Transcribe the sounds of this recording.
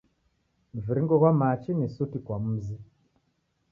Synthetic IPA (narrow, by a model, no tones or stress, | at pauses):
m̩viɾiŋɡɔɣwamat͡ʃinisutikwam̩ːzi